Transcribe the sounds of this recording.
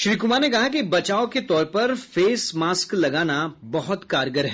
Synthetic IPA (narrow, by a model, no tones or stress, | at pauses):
ʃɾiːkʊmaːɾnekɐɦak̬ibɐt͡ʃaːoket̪ɔːɾpɐɾfeːsmaːsklɐɡaːnabɐɦʊt̪kaːɾɡəɾɦɛː